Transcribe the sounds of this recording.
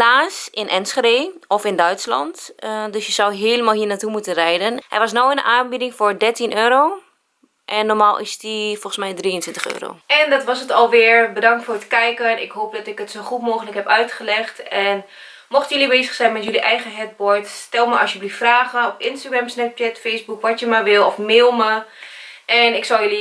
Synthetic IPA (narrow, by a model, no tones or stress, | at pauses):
laːsɪnʔɛnsχədeːɔfɪndœɥtslɑ̰ntdøsjəzawɦeːləmalˠɦiːɹnatumutənrɛjdənhɛ̰jʋɑsnowɪnənaːnbidɪŋfʊːɹdɛɹtinʔøːɾow | ʔɛnːɔɹmaːlˠʔɪ̰sdifɔlˠχəsmɛjdrijəntʋɪntəχø̰ːro̰ːɛndɑtʋɑsətɔlˠʋɪːɹbədɑŋktfoːrətkɛjkənɪ̰kɦoːp̚dɔtɪkətsoχutmoːχənləkɦɛpœɥtχəlɛχtɛn | mɔχtəjølibeːzəχsɛjnmɛtjøliʔɛjχəɦɛt̚bɔɹtsstɛlˠməʔɑ̰sjəbliffraːχənɔpɪnstaɡrɛmsnɛp̚t͡ʃɛtfejsbukʋɑtjəmaʋɪlˠɔfmeːlˠmə | ʔɛnɪksɔlˠjəli